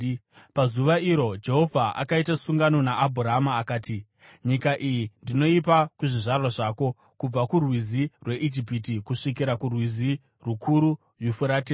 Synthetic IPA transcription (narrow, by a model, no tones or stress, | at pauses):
pazuʋaiɾo̞d͡ʒe̞ɦo̞vʱaa̰kaitasuŋɡano̞naːbʱuɾaɦamaːkaːti | ɲikaʔijindino̞ipakuʐiʐarwaʐaːko̞ | kub͡vakurwizirwe̞ʔid͡ʒipitikuʂikiɾakurwizi | rukʰuɾu | jufuɾate